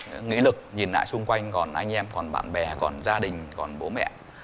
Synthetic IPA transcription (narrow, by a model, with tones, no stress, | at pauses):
ɨ̰˧˥ŋḭ˧˥lɨ˨˩k̚ɲi˨˩nːa̰ː˧˨jsʊ˧ŋ͡mkwa˧jŋ̟kɔ˨˩nʔa˧jŋ̟ʔɛ˧mkɔ˨˩nɓa̰ː˧˨nɓɛ˨˩kɔ˨˩nzaː˧ɗï˨˩ŋ̟kɔ˨˩nɓo˨˦mɛ̰˧˨